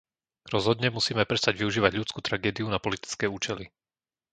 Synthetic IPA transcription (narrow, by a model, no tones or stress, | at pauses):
ɾɔzɦɔd̪ɲɛmusiːmɛpɾɛst̪aɟʋiuʒiːʋaɟʎut͡skuːt̪ɾaɡɛːd̪iunapɔlit̪i̥t͡skɛːuːt͡ʃɛli